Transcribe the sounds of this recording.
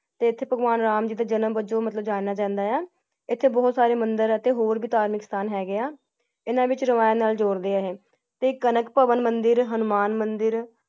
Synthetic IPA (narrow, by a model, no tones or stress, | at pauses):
t̪eːɪt̪ʰːeːpəɡʋaːnɾaːmd͡ʒɪd̪aːd͡ʒənəmbət͡ʃoːmət̪ləbd͡ʒaːnaːt͡ʃãːnd̪aːɛː | ɪt̪ʰːeːbɔːt̪saːɾeːmənd̪əɾɛt̪eːɦoːɾbiːt̪aːɾmɪkst̪ʰaːnɦɛːɡɪaː | ɪnãːʋɪt͡ʃɾəʋaːjaːnaːld͡ʒoːɾd̪eːaːɦeː | t̪eːkːənəkpəʋənmənd̪ɪɾɦənʊmaːnmənd̪ɪɾ